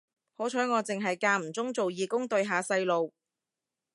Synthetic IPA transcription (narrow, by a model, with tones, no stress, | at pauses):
ho˨˥t͡ʃʰɔː˨˥ŋɔː˨˧t͡sɪ˨ŋɦɐ˨jkaː˧m̩˨˩t͡sʊ˥ŋt͡so˨wjiː˨˧kʊ˥ŋt̪ɵ˧ɥɦaː˨sɐ˧jlo˨w